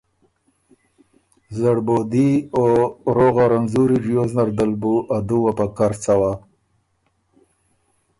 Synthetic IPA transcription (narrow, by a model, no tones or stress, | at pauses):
zaɽbod̪ioɾoɣaɾanzuɾiɾjoznaɾd̪albuʔad̪uwapakaɾt͡sawa